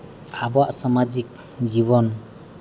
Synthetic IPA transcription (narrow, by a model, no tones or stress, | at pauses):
abɔaʔsɔmad͡ʒik̚ | zibɔn